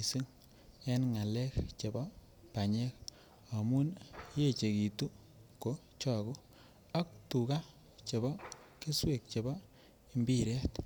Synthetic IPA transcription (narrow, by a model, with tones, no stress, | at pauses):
si˦ŋ | ɛ˦nŋa˨lɛ˦kt͡ʃe˨bɔ˦ | pa˨ɲɛ˦k | a˨mu˦nje˦t͡ʃe˨ki˨tu˦ | ko˨ | t͡ʃɔ˦˨ɡu˦ | a˦k̚tu˨ka˦ | t͡ʃe˨bɔ˦ | ke˦swe˨k̚t͡ʃe˨bɔ˦ | i˨mbi˦˨ɾɛ˦t